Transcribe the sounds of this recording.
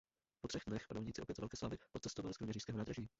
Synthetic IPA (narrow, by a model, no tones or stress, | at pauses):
pot̪r̥ɛxdnɛxpa̰dowɲiːt͡sɪʔo̞pjɛt̪vɛlkɛːslaːvɪʔot̪t͡sɛst̪ovalɪskɾumɲɛɾiːʃskɛːɦonaːd̪ɾaʒiː